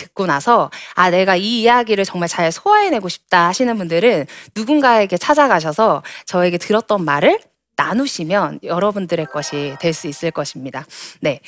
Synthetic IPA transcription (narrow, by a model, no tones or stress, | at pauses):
tɯ̥k̚k͈onasʰʌane̞ɡaiːjaɡiɾɯɭt͡ɕʌŋmaɭt͡ɕaesʰoaene̞ɡoɕʰi̥p̚t͈ahaɕʰinɯnbundɯɾɯnːuɡunɡae̞ɡe̞t͡ɕʰad͡ʑaɡaɕ̬ʰʌsʰʌt͡ɕʌe̞ɡe̞tɯɾʌt̚t͈ʌnmaɾɯɭ | nanuɕʰimjʌnjʌɾʌbundɯɾe̞k͈ʌɕʰitwe̞ɭs͈uis͈ɯɭk͈ʌɕʰimɲidane̞